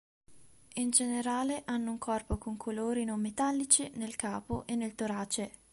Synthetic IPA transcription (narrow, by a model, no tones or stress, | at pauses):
ind͡ʒeneɾaːleʔanːouŋkʰɔrpokoŋkʰoloːɾinomːet̪alːit͡ʃinelkaːpoʔenːelt̪oɾaːt͡ʃe